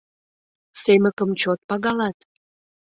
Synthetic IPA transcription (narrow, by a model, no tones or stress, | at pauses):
seməkəmt͡ɕot̪̚pɑɣɑlɑt̪